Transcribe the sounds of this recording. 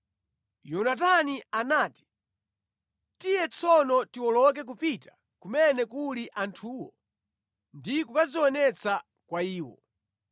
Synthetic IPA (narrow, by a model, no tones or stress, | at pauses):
jɔnat̬anianaːti̥ | tijɛt͡sʰɔnɔtiwɔlɔk̬ɛk̬upitḁ | kumɛnɛkuliʔantʰuːwɔ | ndikukaziwɔnɛt͡sʰa | kwaiːwɔ̰